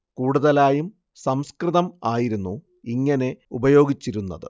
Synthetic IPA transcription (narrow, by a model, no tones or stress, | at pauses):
kuːɽuðɐlaːjum | sɐmskrɨðɐmaːjiɾunːu | iŋːɐne̞ubɐjo̞ːɡit͡ɕːiɾunːɐ̰ðɨ̰